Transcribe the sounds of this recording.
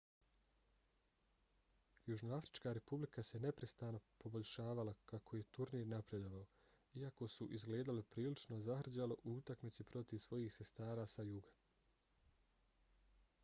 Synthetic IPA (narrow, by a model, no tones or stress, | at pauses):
juʒnoafɾi̥t͡ʃkaɾe̞publikase̞ne̞pɾest̪aːno̞po̞bo̞ʎʲʃaːʋalakakʰo̞je̞t̪uɾniːɾnapɾe̞d̪o̞ʋao | iako̞suʔizɡle̞ːd̪alipɾiːlit͡ʃnozahr̩d͡ʑaleʔuut̪akmit̪sipɾo̞t̪iʋsʋo̞jiːxse̞st̪aːɾaːsajuɡa